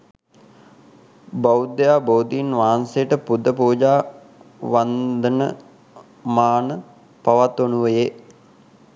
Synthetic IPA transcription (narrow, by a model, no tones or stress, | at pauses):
baud̪ejaːboːd̪iinʋaɦansejəʈəpud̪ʱəpuːd͡ʒaː | ʋand̪ənə | maːnə | paʋat̪onuʋəje